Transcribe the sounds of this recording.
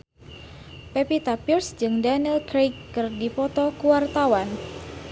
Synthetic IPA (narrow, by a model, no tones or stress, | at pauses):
pɛpit̪apirsd͡ʒɨŋdanilkɾejkːɨrdipɔt̪ɔkuwart̪awan